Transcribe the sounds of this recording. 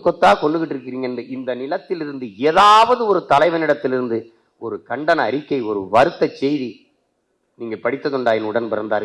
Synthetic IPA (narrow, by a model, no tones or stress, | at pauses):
kːɔt̪ːaːkɔɳɖɯʋɪʈːɪɾɯk̬ːɪɾiːŋɡɐɛndɯʔɪnd̪ɐnɪlɐt̪ːɪlɪɾɯnd̪ɯeːðaːʋɐðɯɔɾɯt̪ɐlɐɪʋɐnɪɽɐt̪ːɪlɪɾɯnd̪ɯ | ɔɾɯkɐɳɖɐnɐːɐɾɪkːɐɪɔɾɯʋɐɾɯt̪ːɐt͡ʃːɛjði | niːŋɡɐpɐɽɪt̪ːɐðɔɳɖaːjɪnʊɽɐnpɐɾɐnd̪aːɾ